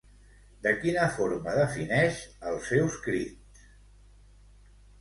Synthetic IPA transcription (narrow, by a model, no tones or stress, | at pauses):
d̪əkinəfoɾməðəfinɛʃəlˠsɛwskɾit̪